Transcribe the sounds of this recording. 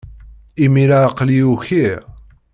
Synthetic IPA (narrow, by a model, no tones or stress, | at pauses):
imiɾaqliuçi